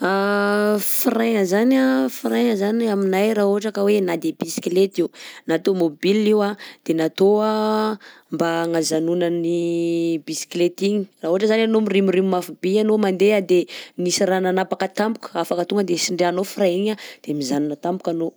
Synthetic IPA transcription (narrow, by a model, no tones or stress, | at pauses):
a | frajŋəzanafrajŋəzanaminajraɦoaʈ͡ʂakəwenad̪ebisi̥klet̪inat̪omobiliwad̪̥enat̪oa | mbaŋazanunənibisi̥klet̪iɲi̥raɦoɦaʈ͡ʂəzananomirimirimimafubianomand̪ead̪enisirananapakət̪ambu̥kə̥afakət̪uŋɡəd̪esiɳɖ͡ʐeanofrajiɲad̪̥emizanunat̪ambu̥kʲano